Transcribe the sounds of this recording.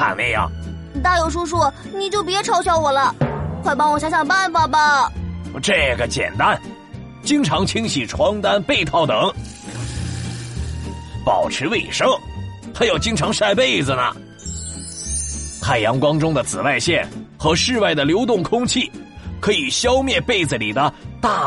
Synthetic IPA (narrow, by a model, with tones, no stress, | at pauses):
xa̰˨˩nmɛ̰˥˩jɑ̰˨˩ŋ˨˩ | t̪a˥˩jo˨˩ʊʂu˥ʂ̬wɔ˥˩ | ni˨˩t͡ɕjo˥˩ʊp̬jɛ˧˥ʈ͡ʂʰɑ˥ʊɕjɑ˥ʊwɔ˨˩lə˧xwa˥˩ɪpɑ˥ŋwɔ˨˩ɕjɑ˧˥ɕjɑ˨˩ŋpa˥˩nfa˨˩bɐ˨ | ʈ͡ʂɤ˥˩ɡə˩t͡ɕjɛ̰˨˩nt̪a˥n | t͡ɕi˥ŋʈ͡ʂʰɑ˧˥ŋt͡ɕʰi˥ŋɕi˨˩ʈ͡ʂʰwɑ˧˥ŋt̪a˥npe˥˧ɪt̪ʰɑ˥˩ʊt̪ɤ˨˧˦ŋ | pɑ˨˩ʊʈ͡ʂʰɻ̩˧˥we˥˩ɪʂɤ˥ŋxa˧˥ɪjo˨˩ʊt͡ɕi˥ŋʈ͡ʂʰɑ˧˥ŋʂa˥˧ɪpe˥˩ɪd͡zɹ̩˩nə̰˩ | xʰa˥˩ɪjɑ˧˥ŋkwɑ˥ŋʈ͡ʂʊ˥ŋd̪ə˨˩t͡sɹ̩˨˩wa˥˧ɪɕjɛ˥˩nxɤ˧˥ʂɻ̩˥˧wa˥˩ɪd̪ə˩ljo˧˥ʊt̪ʊ˥˩ŋkʰʊ˥ŋt͡ɕʰi˥˩kʰɤ˧˥i˨˩ɕjɑ˥ʊmjɛ˥˧npe˥˩ɪd͡z̩˨˩li˨˩d̪ə˦t̪a˥˩